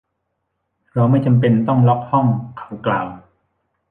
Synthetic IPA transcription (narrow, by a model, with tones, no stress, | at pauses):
ɾɔː˧wma˥˩jt͡ɕa˧mp̬e˧nt̪ɔ˥˩ŋlɔ˦˥k̚hɔ˥˩ŋkʰḁ˩˦wklaː˨˩w